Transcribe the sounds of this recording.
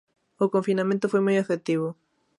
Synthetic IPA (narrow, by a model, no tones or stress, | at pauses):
okõɱfinamẽnt̪ofojmujefet̪iβo